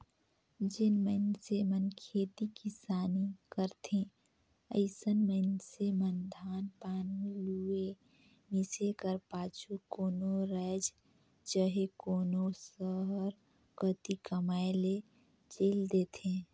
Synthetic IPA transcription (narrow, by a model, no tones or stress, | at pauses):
d͡ʒɪnmənsemənkʰeːt̪ikisaːnikəɾt̪ʰẽ | əɪsənməɪnsemənd̪ʱaːnpaːnilue | misekəɾpaːt͡ʃʰukoːnoɾɛd͡ʒ | d͡ʒəɦekoːnosəɦəɾ | kət̪ikəmaːele | d͡ʒeːld̪eːt̪ʰẽː